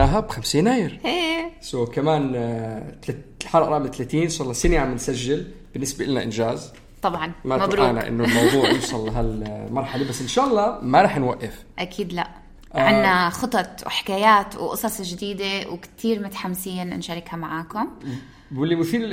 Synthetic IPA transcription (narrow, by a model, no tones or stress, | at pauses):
aɦabxamsiːnʔaːjɪɾʔeːsokamaːnt̪lħɑɾˤʔɾˤɑʔmt̪alaːt̪iːnʔʃaːlˤːɑsɪniʕamɪnsaʒːɪl | b̥ɪnːɪsbaʔɪlːnaʔɪnʒaːz | t̪ˤɑbʕɑnmamaɾʔaːnaʔɪ̰nːʊlmɑwðˤuːʕʕjuːsˤɑlːaɦalmɑɾˤħalebasːʔɪnʃaːʔɑlˤːɑːmaɾˤɑːħnwaʔːɪf | ʔakʰiːd̪la̰ʔ | ʔʕɪnːaxɨt̪ˤɑt̪ˤwħɪ̥kaːjaːt̪wʔɨ̰sˤɑsˤʒd̪iːd̪ewkt̪ʰiːɾmʊt̪ḁħamsiːnɪnʃaɾˤɪkhamaʕaːkʊm | ɪlːimʊθiːd̪ɪl